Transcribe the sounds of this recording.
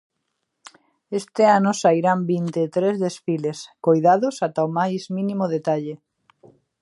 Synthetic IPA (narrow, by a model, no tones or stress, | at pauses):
est̪eanosajɾambint̪et̪ɾezðesfileskojðaðosat̪aomajzmĩnimoðet̪aʎe